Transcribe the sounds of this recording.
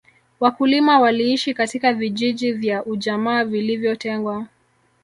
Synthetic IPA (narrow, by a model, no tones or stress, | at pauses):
wakulimawaliiʃikatikaviʄiʄivjaʔuʄamaːvilivjɔtɛŋɡwa